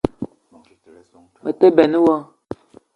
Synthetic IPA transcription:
mə˨te˦bɛ˨nə˦wɔ˦

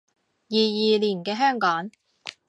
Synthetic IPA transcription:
jiː˨jiː˨liː˨˩nkɛː˧ɦœː˥ŋkɔː˨˥ŋ

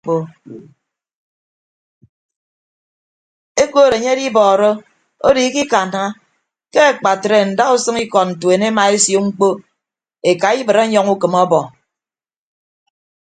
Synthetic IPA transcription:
o˦ | e˦ko˦˨ɾe˨ɲe˦di˦bɔː˨ɾo˦ | o˦di˨˦ki˦ka˨na˨ŋa˦ | ke˦a˨k͡pa˨tɾe˨n̩˨da˦ɣu˦sɨ˦ŋi˦kɔ˨t̚n̩˨tu˨e˨ne˦ma˨e˦sjo˦ŋ͡m̩˦k͡po˦ | e˨ka˨i˦bɨ˨ɾe˦ɲɔ˦ŋu˦kɨ˨mɔ˦bɔ˨

